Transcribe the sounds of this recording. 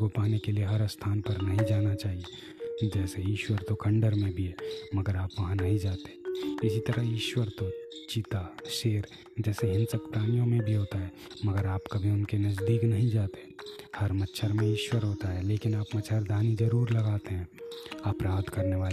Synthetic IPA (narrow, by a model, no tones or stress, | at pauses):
kopaːnekelieɦɐɾst̪ʰaːnpəɾnɐɦĩd͡ʒaːnat͡ʃaːɦie | d͡ʒɛːseiːʃwəɾt̪okʰə̃ɳɖəɾmẽbʱiɦɛːməɡəɾaːpʋɐɦãnɐɦĩd͡ʒaːt̪ẽɪsit̪əɾəɦiːʃwəɾt̪ot͡ʃit̪aʃeːɾ | d͡ʒɛːseɦɪ̃nsəkpɾaːnijõmẽbʱiɦoːt̪aɦɛː | məɡəɾaːpkɐbʱiʊnkenɐzd̪iːknɐɦĩd͡ʒaːt̪ẽhɐɾmətːʃʰəɾmẽiːʃwəɾɦoːt̪aɦɛleːkɪnaːpmətːt͡ʃʰəɾd̪ʱaːnid͡ʒəɾuːɾlɐɡaːt̪eɦɛ̃ːaːpɾaːbd̪kɐɾneʋaːl